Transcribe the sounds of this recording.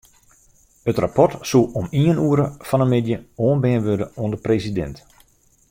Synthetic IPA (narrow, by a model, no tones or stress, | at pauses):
ətrapɔtsulˠɔmiənuəɾəfɑnənmɪdjəoːənbɛːənʋødəoəndəpresidɛ̰nt